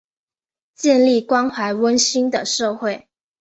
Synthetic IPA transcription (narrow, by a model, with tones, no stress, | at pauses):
t͡ɕjɛ˥˧nli˥˩kwɑ˥ŋxwa˧˥ɪwə˥nɕi˥ŋd̪ə˨˩ʂɤ˥˧xwe˥˩ɪ